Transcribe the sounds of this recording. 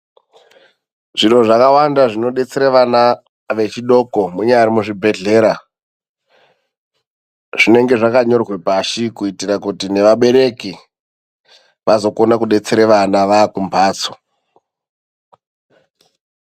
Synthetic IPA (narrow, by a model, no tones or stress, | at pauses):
ʐino̞ʐakawandaʐino̞ɗe̞t͡seɾeʋana | ʋe̞t͡ʃiɗo̞komuɲaaɾimuʐibʱe̞ɮe̞ːɾa | ʐ̥ine̞ŋɡe̞ʐakaɲo̞rwe̞paʃikuitirakutine̞ʋaɓe̞ɾe̞ki | ʋazo̞ko̞nakuɗe̞t͡seɾeʋanaʋaːkumbʰʱaːt͡so